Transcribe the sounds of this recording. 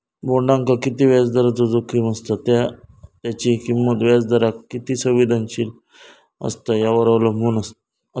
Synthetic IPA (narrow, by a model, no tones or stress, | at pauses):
boɳɖãŋkakit̪iːʋad͡zd̪əɾat͡sɔd͡zokiməst̪at̪jat̪jat͡ɕikimːət̪ʋad͡zd̪əɾakkːit̪iːsəʋʋid̪ʱanɕil | ə̰st̪ajaʋəɾaʋlɔmunəst̪